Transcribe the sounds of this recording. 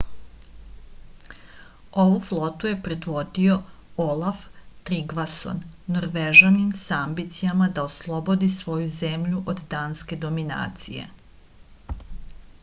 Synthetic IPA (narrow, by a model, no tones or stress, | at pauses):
o̞ʋuflˠo̞t̪uje̞pɾed̪ʋo̞d̪io̞ | olˠaft̪ɾiɡʋaso̰nːoɾʋeʒanimsaambit̪sijamad̪aoslˠo̞bo̞d̪isʋo̞juze̞mʎuʔod̪d̪aːnske̞d̪o̞mina̰ːt̪sije̞̰